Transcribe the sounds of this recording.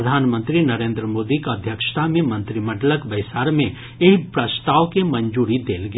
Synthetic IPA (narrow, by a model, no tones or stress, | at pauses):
əd̪ʱaːnmə̃nt̪ɾinɐɾẽːnd̪ɾəmoːd̪ikɐd̪ʱjəkʃt̪ʰamẽmɐ̃nt̪ɾimɐʈləkbɐɪsaːɾmẽ | eɦpɾɐst̪aːʋkemɐ̃ɲd͡ʒuːɾid̪eːlɡ